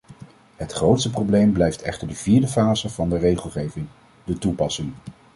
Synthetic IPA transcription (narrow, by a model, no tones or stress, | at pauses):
ɦətχrowtstəprowblejmblɛjftɛ̰χtəɹdəviːɹdəfaːzəv̥ɑndərejχəlˠχejvɪŋ | dətupɑsɪŋ